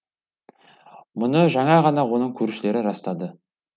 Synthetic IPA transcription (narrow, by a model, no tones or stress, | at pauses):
mʊnəʒɑɴɑʁɑnɑwo̞nəɴkʲʰɵɾʃɪle̞ɾɪɾɑst̪ɑd̪ə